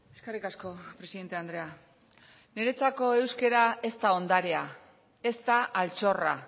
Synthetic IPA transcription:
e̞skarikasko̞pɾe̞siðe̞nt̪e̞and̪ɾe̞a | ne̞ɾe̞t͡sako̞e̞wske̞ɾae̞st̪ao̞nd̪aɾe̞a | e̞st̪aʔːlt͡so̞ra

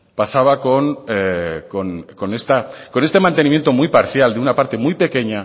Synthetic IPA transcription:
pasaβ̞ako̞nekonko̞ne̞st̪ako̞ne̞st̪emãnt̪enimje̞nt̪o̞mujpaɾθjald̪eunapaɾt̪e̞mujpe̞ke̞ɲa

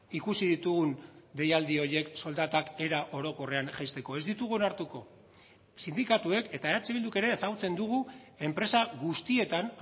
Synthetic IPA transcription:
ikusiðit̪uɣund̪e̞jald̪io̞je̞kso̞ld̪at̪ake̞ɾaʔo̞ɾo̞ko̞re̞anʝajst̪e̞koe̞zd̪it̪uɣuo̞naɾt̪uko̞ | sind̪ikat̪ue̞ke̞t̪aeat͡seβild̪uke̞ɾe̞ːsaɣut͡se̞nd̪uɣue̞mpɾe̞saɣust̪ie̞t̪an

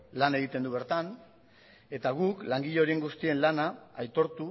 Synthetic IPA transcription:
lane̞ɣ̞it̪e̞nd̪uβe̞ɾt̪an | e̞t̪aɣ̞uklaŋɡiʎoɾeŋɡust̪ie̞nlanaːjt̪o̞ɾt̪u

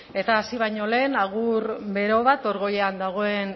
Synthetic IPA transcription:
e̞t̪aːsiβ̞ajɲo̞le̞ːnaɣ̞uɾbe̞ɾo̞β̞at̪o̞ɾɣo̞jeand̪aɣ̞o̞e̞n

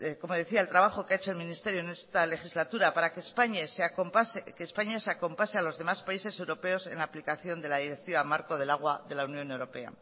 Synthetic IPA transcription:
ko̞mo̞ð̞e̞θiaelt̪ɾaβ̞aχo̞keaet͡ʃo̞e̞lmĩnist̪e̞ɾjo̞ene̞st̪ale̞xizlat̪uɾapaɾakespaɲesakopaskeːspaɲaseako̞mpasealo̞zðe̞maspaise̞se̞wɾo̞pe̞o̞se̞̰nlaːplikaθjo̞nd̪e̞lað̞iɾe̞k̚t̪iβamaɾko̞ð̞e̞laɣ̞waðe̞launjõ̞ne̞wɾo̞pe̞a̰

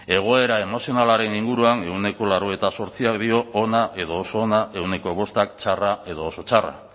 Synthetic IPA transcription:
e̞ɣ̞o̞e̞ɾae̞mo̞sio̞nalaɾe̞niŋɡuɾuane̞wne̞ko̞laɾoet̪aso̞ɾt͡siak̚d̪io̞ːnaʔe̞ðo̞ːso̞ːnaʔe̞wne̞ko̞βo̞st̪akt͡ʃarae̞ð̞o̞ːso̞t͡ʃara̰

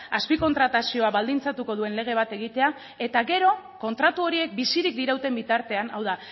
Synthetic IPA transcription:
aspiko̞nt̪ɾat̪asio̞aβald̪int͡sat̪uko̞ðue̞nle̞ɣ̞e̞β̞at̪e̞ɣ̞it̪e̞a | e̞t̪aɣe̞ɾo̞ | ko̞nt̪ɾat̪uo̞ɾie̞k̚bisiɾik̚d̪iɾawt̪e̞mbit̪aɾt̪e̞anawða

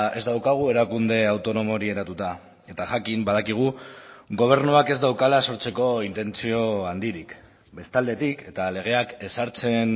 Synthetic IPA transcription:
e̞zd̪awkaɣ̞ue̞ɾakund̪e̞awt̪o̞no̞mo̞ɾie̞ɾat̪ut̪a | e̞t̪aʝakimbað̞akiɣ̞uɣo̞β̞e̞ɾnuake̞zd̪awkalaso̞ɾt͡se̞ko̞int̪e̞nt͡sio̞and̪iɾik | be̞st̪ald̪e̞t̪ike̞t̪ale̞ɣ̞e̞ake̞saɾt͡se̞n

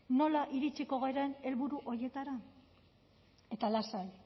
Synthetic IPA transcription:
no̞laʔiɾit͡ʃiko̞ɣeɾaene̞lβuɾuʔo̞ɾje̞t̪aɾa | e̞t̪alasal

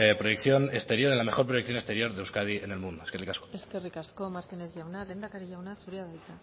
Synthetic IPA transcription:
pɾojekθjo̞nest̪e̞ɾjo̞ɾelame̞xo̞ɾpɾojekθjo̞nest̪e̞ɾjo̞ɾðewskað̞iene̞lmund̪oeskerikasko̥eskerikasko̞maɾt̪ine̞zʝawnale̞nd̪akaɾiʝawnasuɾiaðajt̪a

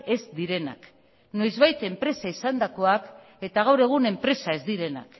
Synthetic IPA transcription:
e̞zd̪iɾe̞na̰k | no̞jzβajt̪e̞mpɾe̞saisand̪ako̞ak | e̞t̪aɣ̞awɾe̞ɣ̞une̞mpɾe̞sae̞zd̪iɾe̞na̰k

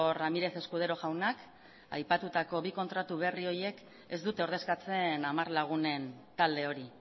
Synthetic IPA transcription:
ramiɾe̞se̞skuð̞e̞ɾo̞ʝawnak | a̰jpat̪ut̪ako̞βiko̞nt̪ɾat̪uβe̞rio̞je̞k | e̞zd̪ut̪e̞oɾð̞e̞skat͡se̞namarlaɣ̞une̞nt̪ald̪e̞o̞ɾi

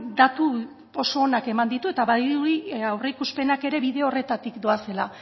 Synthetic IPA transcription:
d̪at̪u | o̞so̞ːnake̞mand̪it̪ue̞t̪aβaðiuiawre̞ikuspe̞nake̞ɾe̞βiðe̞ore̞t̪at̪ikd̪oase̞la

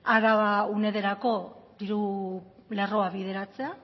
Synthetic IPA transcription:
aɾaβaune̞ðe̞ɾako̞d̪iɾu | lero̞aβiðe̞ɾat͡se̞a

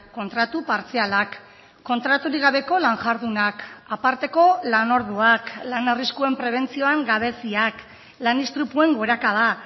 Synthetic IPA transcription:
ko̞nt̪ɾat̪upaɾt͡sialakː | o̞nt̪ɾat̪uɾiɣ̞aβ̞e̞ko̞laŋʝaɾðunakapaɾt̪e̞ko̞lano̞ɾðuaklanariskue̞mpɾe̞β̞e̞nt͡sio̞aŋɡaβe̞siak | lanist̪ɾupue̞ŋɡo̞ɾakað̞a

